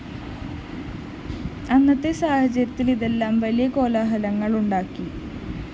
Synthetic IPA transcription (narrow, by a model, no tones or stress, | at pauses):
ɐnːɐt̪ːesaːhɐt͡ɕːɐɾɐt̪ːiliðe̞lːaːmʋɐlijɐko̞ːlaːɦɐlɐŋːɐɭuɳɖaːkːi